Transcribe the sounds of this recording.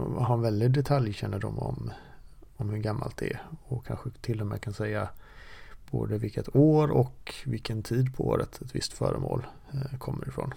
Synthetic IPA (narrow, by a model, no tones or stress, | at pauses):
ɦaɾɛnvɛld̪ɪd̪ɛt̪ʰaljɕɛnːəɖɔmɔm | ɔmhɵɡamːalt̪̚d̪ɛæɔkʰanɧət̪ʰɪlːɔmɛːkʰansɛjːa | b̥oːd̪əvɪlkːət̪oːɾɔkvɪlkʰənt̪ʰiːd̪pʰɔo̰ːɾət̪ʰɛt̪vɪst̪fœ̰ːɾəmo̰ːl | kʰɔmːəɾɪfɾɔ̰ːn